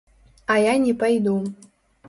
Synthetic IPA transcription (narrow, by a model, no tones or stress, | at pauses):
ɐjanʲɛpajd̪u